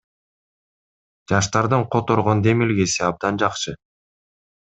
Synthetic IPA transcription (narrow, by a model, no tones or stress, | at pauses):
d͡ʒɑʃt̪ɑɾd̪ɯɴqʰot̪o̞ɾʁo̞nd̪e̞milɡe̞siɑb̚d̪ɑnd͡ʒɑqʃɯ